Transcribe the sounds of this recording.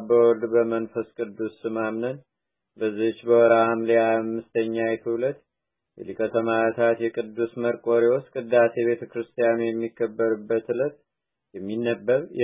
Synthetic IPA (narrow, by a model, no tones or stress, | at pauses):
bəwɔld̪bəmənfəskʼɨd̪ːusːɨmamnən | bəzːit͡ʃːbəwɔɾaamleaamːɨst̪ʰəɲːajɛt̪ʰɨwlət̪ | jɛ̰likʼət̪ʰəmaət̪ʰat̪jɛkʼɨd̪ːusməɾkʼoɾewɔst̪ʼkʼɨd̪ːase̞βe̞t̪ʰəkɾɨst̪ʰijanujɛmːikːəbːəɾɨbːət̪ɨlət̪ | jɛmːinːəbːəɾ